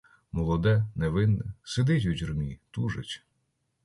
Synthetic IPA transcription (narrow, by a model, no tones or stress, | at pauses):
mɔlˠɔd̪ɛneʋɪnːɛsed̪ɪtʲuzʲrmʲit̪uʒetʲ